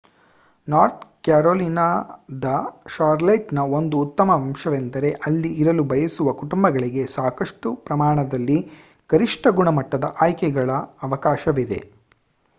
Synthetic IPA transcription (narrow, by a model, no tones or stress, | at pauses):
naːɾt̪̚kjaːɾoːliːnaːd̪ɐʃaːɾlɐjʈnɐo̞nd̪uːt̪ːɐmɐʋɐmʂɐʋend̪ɐɾe̞ʔɐlːiːɾɐlubʱɐjɐsuʋɐkuʈumbɐɡɐɭiɡe̞saːkɐʂʈupɾɐmaːɳɐd̪ɐlːi | kɐɾiʂʈɐɡuɳɐmɐʈːɐd̪ɐ̰ʔaːjkɛɡɐɭɐːʋɐkaːʃɐʋid̪e̞̰